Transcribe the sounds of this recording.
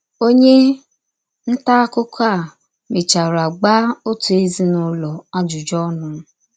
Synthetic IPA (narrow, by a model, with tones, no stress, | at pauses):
o˦ɲe˦ | n̩˦ta˦kʊ˦ka˦˨ | me˨t͡ʃa˨ɾa˨ɡ͡ba˦o˦tu˨e˦zi˦nʊ˦lɔ˨a˦d͡ʒʊ˨d͡ʒɔ˦nʊ˦